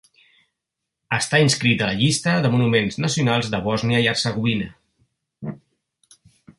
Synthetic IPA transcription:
əst̪ainskɾit̪ələʎist̪əðəmunumenznəsiunalˠzðəβɔzniəiəɾsəɣ̞uβinə

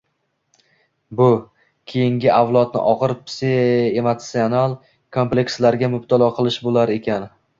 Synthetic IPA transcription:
bʊ | kʲʰe̞jɪŋɡʲɪʔavlˠɒt̪̚nɪ̰ʔɒʁɨɾpseemot̪sionalˠ | kʰomplʲe̞kslaɾɡʲamʊb̚t̪ʰalˠɒqʰɨlˠɪʃbolaɾe̞kʲan

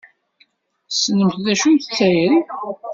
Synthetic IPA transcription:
snəmθðæʃunθt͡sːæjən

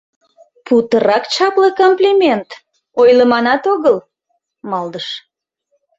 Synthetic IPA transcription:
put̪əɾɑkt͡ɕɑpləkomplʲimʲent̪ | ojləmɑnɑt̪oɣəl | mɑld̪əʃ

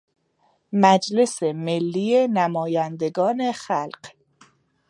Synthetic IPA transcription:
mæd͡ʒle̞se̞melːiːjenæmɒːjænd̪e̞ɡɒːne̞xælɢ̥

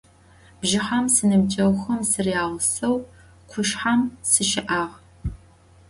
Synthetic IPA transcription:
bʒɪħamsɨnɨbd͡ʒʼɐwxɐmsɨrijaːʁsɐw | qʷʰʊʃħamsɨʃɪʔaːʁ

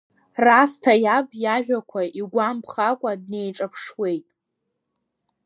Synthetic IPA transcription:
rastʰajabjaʒᶣakʷʰaʔiɡʷampʰχakʷʼad̚ne̞jʈ͡ʂʼapʰʂwe̞jtʼ

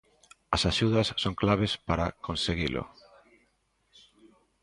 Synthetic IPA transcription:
ɐsaʃuðɐsːoŋklaβ̞espaɾakõnseɣilʔʊ̰

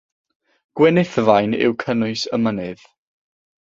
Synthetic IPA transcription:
ɡ̥wɛnɪθvajnɪ̰wkʰənʊɨsəmənɨð̥

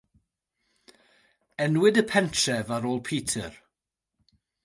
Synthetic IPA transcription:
ɛnwɪdəpʰɛntʰrɛvaɾoːlˠpʰiːtʰə̰r

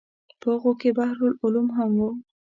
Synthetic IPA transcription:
pəɣokebahɾʊlʊlumɦamwu

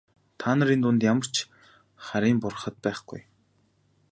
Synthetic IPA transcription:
t̪ʰaːnə̆ɾint̪ʊnt̪jamə̆r̥t͡ɕ | χaɾʲiːmpʊr̆χə̆t̪̚pæːχɡ̥ṵj

